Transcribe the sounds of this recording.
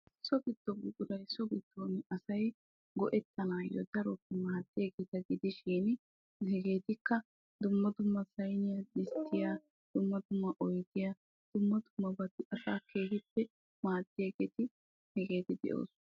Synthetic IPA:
sɔɡɪt̪ːɔɡʊkʼʊɾɐjsɔɡɪt̪ʰːoːnɪɐsɐj | ɡɔʔɛt̪ːɐnaːjɔ̰d̪ɐɾɔpːɛmaːt̪ːɪjɐɡeːt̪ɐɡɪd̪ɪʃiːn | hɛɡe̞ːt̪ɪkːɐ | d̪ʊmːɐt̪ʊmːɐsɐjnɪjad̪ɪst̪ːɪjaː | d̪̥ʊmːɐd̪ʊmːɐʔɔjɡ̪ɪjaː | d̪̥ʊmːɐt̪ʊmːɐbɐt̪ːɪʔɐsaːkʰeːhɪpːɛ | maːt̪ːɪjɐɡeːt̪ɪ | hɛɡe̞ːt̪ɪd̪ɛ̰ʔo̞̰ːs

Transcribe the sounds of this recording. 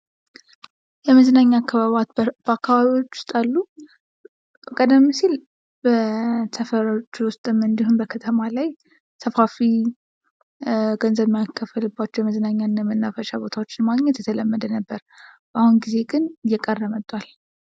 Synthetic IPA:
jɛməzənaɲːakʰːaβat̪bəakːaβaβiwo̞t͡ʃːʊ̥st̪ʼalːu | kʼəd̪əmːisil | bəsʰəfəɾot͡ʃːwʊst̪ʼɨmɨnd̪iɦunbəkʰət̪ʰəmalaj | sʰəfafi | ɡənzəβmjakʰːəfəlɨbːat͡ʃːɛwjɛməzənaɲːanːəmɨnːafəʃabo̞t̪ʰawo̞t͡ʃːɪnmaɡɲɛt̪jɛt̪ʰələmːəd̪ənəbːəɾ | bahunɡize̞ɡɨnjɛkʼərːəmət̪ʼːwal

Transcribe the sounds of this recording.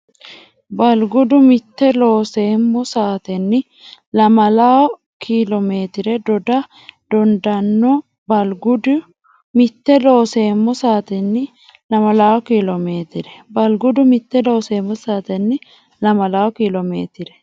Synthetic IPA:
bɐlɡʊd̪ʊmɪt̪ːɛloːseːmːɔsaːt̪ɛnːɪ | lɐmɐlaːw | kʰiːlɔmeːt̪ɪɾɛd̪ɔd̪ɐ | d̪̥ɔnd̪ɐnːɔ | bɐlɡʊd̪ | mɪt̪ːɛlo̞ːseːmːɔsaːt̪ɛnːɪ | lɐmɐlaːwkilome̞ːt̪ɪɾɛbɐlɡʊd̪ʊmɪt̪ːɛlo̞ːseːmːʊsaːt̪ɛnːɪ | lɐmɐlaːwkilɔmḛːt̪ɪɾɛ̥

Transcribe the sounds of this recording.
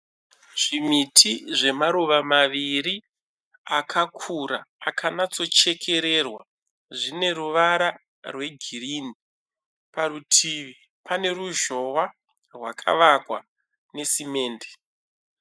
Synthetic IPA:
ʐ̥imitʰiʐe̞maɾuʋamaʋiri | akʰakʰuɾaːkʰanat͡so̞t͡ʃe̞kʰe̞ɾe̞rwa | ʐine̞ɾuʋaɾa | rwe̞ɡʱiriːni | paɾutʰiʋi | pane̞ɾuʒo̞wa | rwakʰa̰ʋakwa̰ | ne̞sime̞ːnde̥

